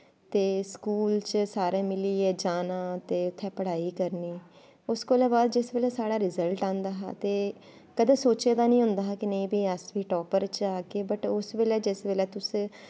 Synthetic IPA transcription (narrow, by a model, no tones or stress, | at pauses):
t̪eːskuːlt͡ʃsaːɾẽːmɪliːɛːd͡ʒaːnãːt̪eːʊt̪ʰːɛ̃ːpəɽaːiːkəɾniː | ʊskoːlɛːbaːd̪d͡ʒɪsʋeːlɛːsaːɽaːɾɪzəlʈãːnd̪aːɦa̰ːt̪eː | kəd̪ẽːsoːt͡ʃeːd̪aːnĩːɦʊ̃nd̪aːɦakɪnəĩːbiːəsʋiːʈɔːpəɾt͡ʃaːkeːbəʈʊsʋeːlɛːd͡ʒɪsʋeːlɛːt̪ʊs